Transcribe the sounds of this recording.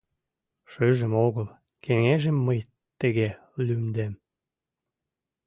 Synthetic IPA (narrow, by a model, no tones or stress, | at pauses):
ʃøʒə̆moɣəl | keŋeʒə̆mːəj | t̪əɣe | lymd̪em